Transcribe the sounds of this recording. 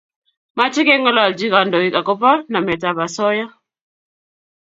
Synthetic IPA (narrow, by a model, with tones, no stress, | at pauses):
ma˦t͡ʃɪ˦kɛ˦ŋɔ˦lwa˨ld͡ʒi˦ka˨ndɔ˨i˦ka˨kɔ˦pa˦na˨mɛ˨ta˦ba˨sɔ˦ja˦